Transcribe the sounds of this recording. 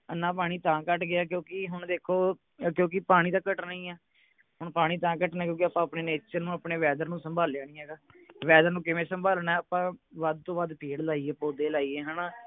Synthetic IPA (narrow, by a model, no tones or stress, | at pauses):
ənãːp̬aːɽ̃iːt̪ãːkəʈɡɪaːk̬jõːkɪɦʊɳd̪eːkʰːoː | kjõːk̬ɪpaːɽ̃iːt̪ãːkəʈnaiːɛː | ɦʊɳpaːɽ̃iːt̪ãːkəʈnaːkjõːkɪaːpãːəpneːneːt͡ʃəɾnũːapɳeːʋɛːd̪əɾnũːsəmbʱaːljaːnĩːɦɛːɡaː | ʋɛːd̪əɾnũːkɪʋẽːsəmbʱaːlnɛːəpãːʋəd̪̚t̪õːʋad̪pʰeːɽlaːiːeːpoːd̪eːlaːiːeːɦəːnaː